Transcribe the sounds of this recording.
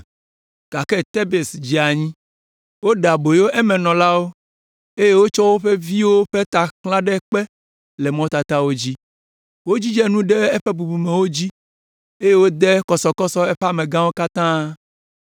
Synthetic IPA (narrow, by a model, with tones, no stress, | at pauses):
ɡ̥a˨kɛ˦t̪e˦be˨sd͡ʑi˨a˨ɲĩ˦ | wo˦ɖa˨bo˨jo˦ʔɛ˦mɛ̃˨nɔ̃˨la˦wo˦ | e˦je˦wo˦t͡ʃɔ˦wo˦ɸe˦vi˦wo˦ɸe˦t̪a˨klã˦ɖɛ˦k͡pɛ˦ | lɛ˨mɔ̃˦t̪a˨t̪a˦wo˦d͡ʑi˦ | wo˦d͡ʑi˦d͡ʒɛ˦nũ˦ɖɛ˦e˦ɸe˦bu˨bu˨mẽ˨wo˦d͡ʑi˦ | e˦je˦wo˦d̪ɛ˦kɔ˨sɔ˨kɔ˦sɔ˦ɛ˦ɸɛ˦a˦mẽ˨ɡã˦wo˦ka˦t̪ã˦